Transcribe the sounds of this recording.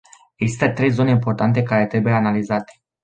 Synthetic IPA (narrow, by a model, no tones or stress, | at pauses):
e̞ɡzist̪ət̪ɾe̞jzo̞neimpo̞rt̪ant̪̬ekaɾe̞t̪ɾe̞bujeanalizat̪e̥